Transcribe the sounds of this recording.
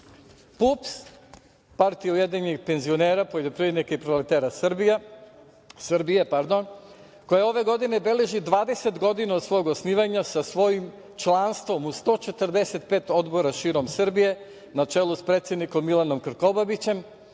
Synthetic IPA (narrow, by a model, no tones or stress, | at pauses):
pups | paɾt̪ijaujed̪iɲiɡpe̞nzio̞neːɾapojd̪epɾied̪nikaipɾolet̪eːɾasrɾbija | sɾbijepaɾd̪o̞n | ko̞jao̞ʋe̞ɡo̞d̪ine̞be̞leʒid̪ʋaːd̪e̞set̪ɡo̞d̪inaod̪sʋo̞joɡosniːʋaɲasasʋo̞jim | t͡ʃlˠanst̪ʋo̞must̪o̞t͡ʃe̞t̪ɾd̪ese̞t̪̚peːt̪o̞d̪bo̞ɾaʃiːɾo̞msɨr̩bije̞ | nat͡ʃelˠuspɾet̪sʲjed̪niko̞mːilˠano̞mkɾ̩ko̞babit͡ɕe̞m